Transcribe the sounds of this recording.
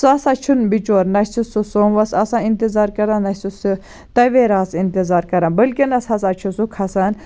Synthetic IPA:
sɐsat͡ʃʰunbit͡ʃoːɾnɐsususoːnʋɐsɐsãːint̪izaːɾkɐɾãnɐsusu | t̪ɐʋeːɾaːsint̪izaːɾkɐɾãːbəlkinɐsɐsat͡ʃʰusukʰɐsɐn

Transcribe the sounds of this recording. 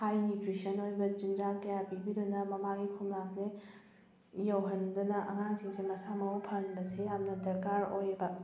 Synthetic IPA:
hajnutɾisɐnojbɐd͡ʒindɾakɐjapibiɾunɐmɐmaɡikʰumlakze | jɐwɦɐndunɐʔɐ̰ŋaŋziŋzemɐsamɐwpʰɐnbɐsejamnɐdɐɾkaɾojbɐ

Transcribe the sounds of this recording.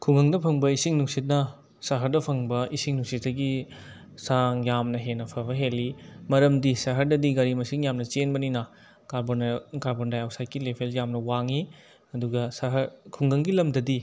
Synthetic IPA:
kʰuŋɡɐŋdɐpʰɐŋbɐisiŋnuŋsit̬̚nɐ | sɐɦɐɾdɐpʰɐŋbɐʔisiŋnuŋsit̚ːɐɡi | saŋjamnɐɦenːɐpʰɐbɐɦelːimɐɾɐmdisɐɦɐɾdɐdiɡɐɾimɐsiŋjamnɐt͡ʃenbɐninɐ | kabokaɾbondajawsaj̚kːilepʰeljamnɐwaŋi | ɐduɡɐsɐɦɐɾkʰuŋɡɐŋɡilɐmdɐdi

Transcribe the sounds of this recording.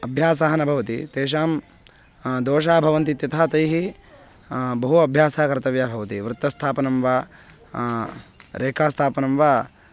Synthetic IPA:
ɐbʱjaːsaɦɐnɐbʱɐʋɐt̪it̪eːʃ̬aːm | d̪oːʃ̬aːbʱɐʋɐnt̪it̪jɐt̪ɐaat̪ɐjɦi | bɐɦuɐbʱjaːsaːɐkɐɾt̪ɐʋjabʱɐʋɐt̪iʋɾɨt̪ːɐst̪ʰaːpɐnɐmʋa | ɾʔeːkʰaːst̪ʰaːpɐnɐmʋa

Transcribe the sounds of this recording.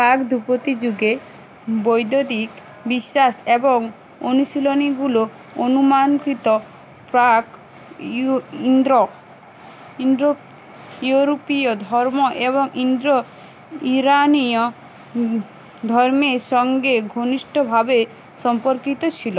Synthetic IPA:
pakd̪ʱupot̪id͡ʒuɡe | bojd̪od̪ik | biʃːasebɔŋ | onusiloniɡulo | onumankɾit̪ɔ | pɾak | nd̪ɾɔ | ind̪ɾo | juɾopijɔd̪ʱɔɾmɔʔeβɔŋʔind̪ɾɔ | iɾaniɔ | d̪ʱɔɾmeɾʃɔŋɡeɡʱoniʃʈʰɔbʱabe | sɔmpɔɾkit̪ɔt͡ʃʰilɔ

